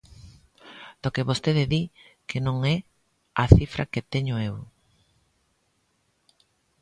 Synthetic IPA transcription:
d̪̥okeβost̪eðɪði | kenõŋɛ | ɐθifɾɐ̰ket̪eɲoew

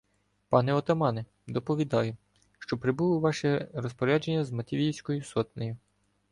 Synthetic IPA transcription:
pɑnɛɔt̪ɐmɑnɛ | d̪ɔpɔʋʲid̪ɑjʊ | ʃt͡ʃɔpɾɪbulˠɪʋɑʃɛɾɔspɔɾʲad͡ʒenʲːɐzmɐt̪ʲiʋʲiwʲsʲkɔjʊsɔt̪nɔjʊ

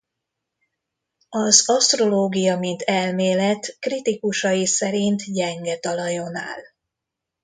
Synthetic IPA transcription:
ɒzɒst̪ro̞loːɡijɒmint̪ʰɛlmeːlɛt̪krit̪ikuʃɒjisɛɾint̪ɟɛŋɡɛt̪ɒlɒjo̞na̰ːl

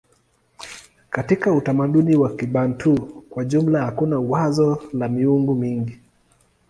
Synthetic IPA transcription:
katikautamaɗuniwakiɓantʰukwaʄum̩lahakunauwazɔlamiuŋɡumiŋɡi

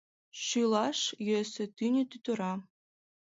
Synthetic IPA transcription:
ʃylˠɑʂjøsɘ̆t̪ynʲɘ̆t̪yt̪ɤ̆ɾɑ

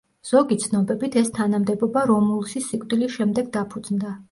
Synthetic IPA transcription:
z̥ɔɡit̪sʰnɔbɛbit̪ʰɛst̪ʰanamd̪ɛbɔbaɾɔmulˠʃisːikʼd̪ilisʃɛmd̪ɛɡd̪apʰud̪znd̪a

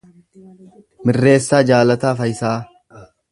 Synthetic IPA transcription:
mɪrːe̞ːsːaːd͡ʒaːlɐt̪aːfɐjɪsaː

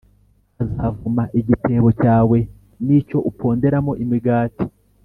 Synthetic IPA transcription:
azaːvumaʔiɟitʰe̞ːβo̞caːwe̞ | nico̞ʔupʰo̞ːnde̞ɾamo̞ʔimiɡaːti̥

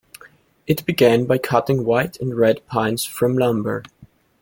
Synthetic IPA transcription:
ɨt̚b̥ɨɡæ̃nbaɪkʰʌɾɪ̃ŋwaɪɾʰɨ̃nɹɛd̚pʰãɪ̃nz̥fɹʌ̃mlʌ̃mbə̰˞

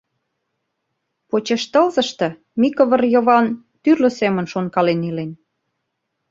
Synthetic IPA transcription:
pot͡ɕeʃt̪ə̆lzə̆ʃt̪ɤ̆ | mikoβə̆rjoβɑn | t̪yrlə̆semə̆nʃonkɑlenilen

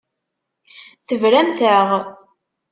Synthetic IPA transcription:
θəvɾæmt̪əʁ

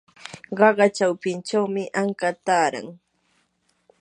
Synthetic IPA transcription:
ɢɑɢɑt͡ʃawpɪnt͡ʃawmɪʔaŋkat̪aːɾa̰ŋ

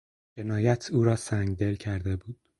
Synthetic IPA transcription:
d͡ʒe̞nɒːjæt̪ʰuːɾɒːsæŋɡd̪e̞lcʰæɾd̪e̞buːd̪̥

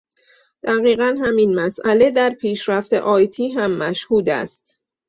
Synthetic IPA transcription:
d̪̥æɣiːɣænɦæminmæsʔæle̞d̪æɾpʰiːʃɾæft̪e̞̰ʔɒːjt̪ʰiːɦæmːæʃhuːd̪æ̰st̪

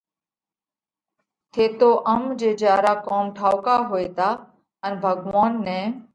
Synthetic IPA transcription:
t̪ʰeːt̪oːʔəmd͡ʒeːd͡ʒaːɾaːkoːmʈʰaːʋkaːɦoːeːt̪aː | ənbʱəɡʋaːnːɛ̃ː

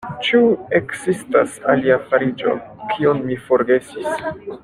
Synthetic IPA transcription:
t͡ʃuekzistasaliafaɾid͡ʒo̞̰kʰionmifo̞ɾɡe̞sis

